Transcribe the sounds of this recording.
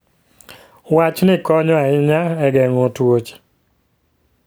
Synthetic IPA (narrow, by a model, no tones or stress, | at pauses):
wat͡ʃnɪkɔɲɔaɪɲaɛɡɛŋotwot͡ʃ